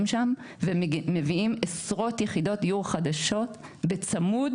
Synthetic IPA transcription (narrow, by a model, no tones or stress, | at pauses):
mʃam | veːeviimesʁo̞tjeχido̞tjuʁχad̪aʃo̞t | be̞t͡samud